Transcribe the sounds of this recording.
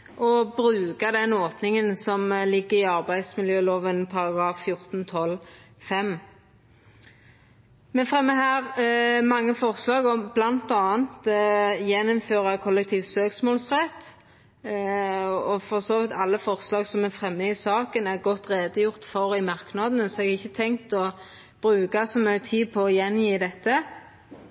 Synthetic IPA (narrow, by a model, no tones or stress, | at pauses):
ʔɔbɾʉːkɑd̪ɛnoːpnɪŋənsɔmlɪɡːəɪɑʁbæɪd̪smɪljøːloːʋənpʰɑʁɑɡɾʁɑːfːjʊʁt̪n̩t̪ʰɔl | fɛm | mɛfʁɛmːəɦæːʁmɑŋːəfɔʁslɑːɡɔmblɑnt̪ɑːənt̪jɛnɔmføːʁɑkʰɔlːɛk̚t̪ʰiːʋsøːksmoːlsʁɛt̪ː | ɔfɔʁsoːʋɪt̪ʰɑlːəfɔʁslɑːɡsɔmɛfʁɛmːəɪsɑːkənæʁɡɔt̪ːʁeːd̪əjʊʁt̪fɔʁɪmɑʁknɑd̪ənəsɔɛɡɪçːət̪ʰɛŋt̪ɔ | b̥ʁʉːkɑsɔmœət̪ʰiːdpʰɔːjɛnjiːd̪ɛt̪ːə